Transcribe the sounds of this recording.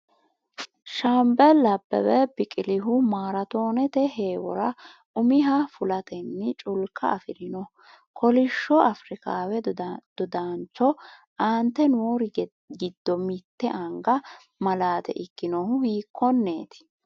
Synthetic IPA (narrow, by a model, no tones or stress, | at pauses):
ʃɐmbɛlɐbːɐ̰wɛbɪkʼɪlɪɦʊmaːɾɐt̪o̞ːnɛt̪ɛɦeːwɔ̰ɾɐ | ʊmɪɦafʊlɐt̪ʰɛnːɪt͡ʃʼʊlkːɐɐfɪɾɪnɔ | kʰɔlɪʃːɔʔɐfɾɪkaːwɛd̪̥ʊd̪ant͡ʃːɔ | ʔaːnt̪ːɛnwoːɾɪ | ɡɪd̪ːɔmɪt̪ːɛʔɐŋɡɐ | mɐlaːt̪ɛ̰ʔɪkːɪnɔhʊhiːkːɔnːe̞ːt̪ɪ̥